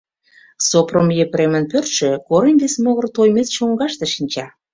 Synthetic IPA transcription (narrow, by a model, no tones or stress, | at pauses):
sopromjepɾemə̆npørt̪ʃĕkoɾənʲɡesmoɣə̆rt̪ojmet͡sʃoŋɡɑʃt̪eʃinʲt͡ɕɑ